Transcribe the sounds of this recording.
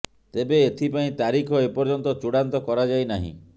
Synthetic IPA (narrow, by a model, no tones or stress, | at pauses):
t̪ebeːt̪ʰipaĩt̪aɾikʰɔepɔɾd͡ʒɔnt̪ɔt͡ʃuɽant̪ɔkɔɾad͡ʒajnaɦḭ̃